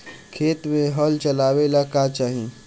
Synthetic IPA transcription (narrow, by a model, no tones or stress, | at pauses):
kʰeːt̪mẽɦɔlt͡ʃəlaːwelakat͡ʃaːɦĩ